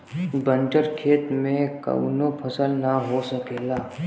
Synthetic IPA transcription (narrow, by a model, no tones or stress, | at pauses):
bə̃nt͡ʃəɾkʰeːt̪mẽkə̰wnopʰəsəlnaɦosəkeːlaː